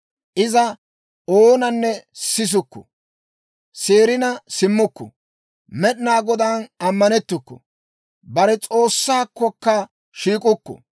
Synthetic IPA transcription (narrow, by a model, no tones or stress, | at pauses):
ʔɪzɐ | oːnɐnːɛsɪs̬ʊkːɔ̥̰ | seːɾɪnɐsɪmːʊkːɔ̰ | mɛɗɪnaːɡɔd̪anɐmːɐnɛt̪ːʊkːɔ̰ | bɐɾɛt͡sʼo̞ːsːaːkːɔkːɐ | ʃiːkʼʊkːɔ̰